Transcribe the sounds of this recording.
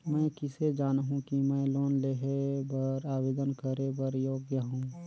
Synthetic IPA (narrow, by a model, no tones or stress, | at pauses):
mɛ̃ːkɪsed͡ʒaːnɦũkimɛ̃loːnleɦebəɾaːbeːd̪ənkəɾebəɾjoːɡjəɦũː